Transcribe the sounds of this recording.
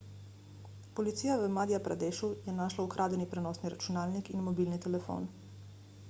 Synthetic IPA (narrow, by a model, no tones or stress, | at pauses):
pɔlit̪siːjaʋəmaːd̪ijapɾa̰d̪eːʃujɛnaːʃlaukɾʔaːd̪ɛnipɾɛnɔːsniɾat͡ʃunaːlnikinmɔbiːlnit̪ɛlɛfo̰n